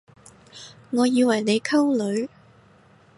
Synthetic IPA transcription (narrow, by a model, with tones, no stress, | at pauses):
ŋɔː˨˧jiː˨˧wɐ˨˩jne˨˧jkʰɐ˥wlɵ˨˧ɥ